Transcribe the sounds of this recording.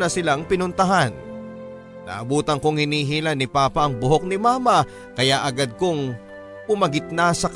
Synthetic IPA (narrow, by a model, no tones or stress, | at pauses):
nɐsɪlaŋpɪnʊnt̪ɐɦanː | a̰ʔɐbuːt̪ɐŋkoŋhɪniːɦiːlanɪpaːpɐʔɐŋbʊɦo̞k̚nɪmaːmɐ | kɐjaʔɐɡad̪̚koŋ | pʊmɐɡɪt̪̚nɐsɐk